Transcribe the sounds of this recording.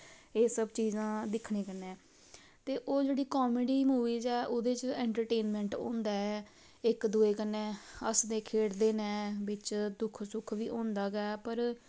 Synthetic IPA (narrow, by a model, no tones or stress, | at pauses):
eːsəbt͡ʃiːzãːd̪ɪkʰɳẽːkənɛ̃ː | t̪eːʔoːd͡ʒeːɽiːkɔːmeɖiːmuːʋiːzɛːʔod̪eːt͡ʃɛːɳʈəɾʈeːnmɛ̃ːɳʈõ̰ːnd̪aːɛː | ɪkd̪uːeːkənɛːəsd̪eːkʰeːɽd̪eːnɛ̃ːʋɪt͡ʃd̪ʊkʰsʊkʰʋiːʔõːnd̪aːɡɛːpəɾ